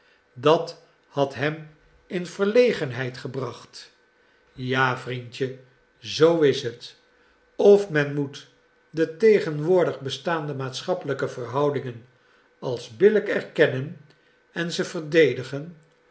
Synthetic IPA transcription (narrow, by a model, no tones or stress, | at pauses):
dɑt | hɑtɦɛm | ɪnv̥əɹlejχənɦɛjtχəbrɑχt | jaːvrintə | zowɪsɦət | ɔfmɛnmut | dətejχənʋʊːɹdəχbəstaːndəmaːtsχɑpələkəvərɦɑwdɪŋən | ɑlˠzbɪləkɛɹkɛnən | ɛnzəvəɹdejdəχən